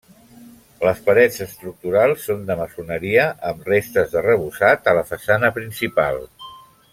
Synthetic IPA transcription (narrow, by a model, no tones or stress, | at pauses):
ləspəɾɛd͡zəst̪ɾuk̚t̪uɾalˠsːond̪əməsunəɾiəʔəmrest̪əzðərəβ̞usat̪ələfəsanəpɾinsipa̰lˠ